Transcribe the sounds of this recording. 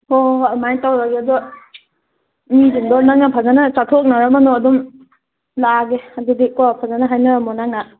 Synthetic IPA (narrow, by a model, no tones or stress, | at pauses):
ɔmajtawɾaɡeɐdɔ | mid͡ʒuŋdɔɾnaŋnapʰazanasatʰok̚naɾamanɔɐdum | laɡeadidikɔpʰazanaɦajnaɾmɔnaŋna